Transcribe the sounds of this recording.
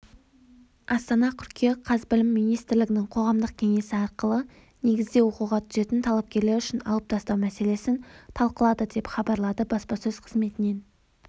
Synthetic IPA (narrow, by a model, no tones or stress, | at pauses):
ɑst̪ɑnɑt̪ʲʰʏɾkʲʰe̞qʰɑzbɪlɪmːijnijst̪ɪɾlɪɡʲɪnɪŋqʰo̞ʁɑmd̪əq̚kʲʰe̞ŋe̞sɪɑɾqəlˠə | ne̞ɡʲɪzd̪e̞wo̞quʁɑt̪ʰʏze̞t̪ɪnt̪ʰɑlˠɑp̚kʲe̞ɾle̞ɾʏʃɪnɑ̰lˠəp̚t̪ʰɑst̪ɑwmæse̞le̞sɪnt̪ʰɑlˠqəlˠɑd̪əd̪e̞pχɑbɑɾlˠɑd̪əbɑspɑsɵzqʰəzme̞t̪ɪne̞n